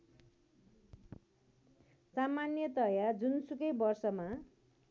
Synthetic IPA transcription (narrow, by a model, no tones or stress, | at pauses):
samanjʌt̪ʌjad͡zunsukʌjbʌrsʌma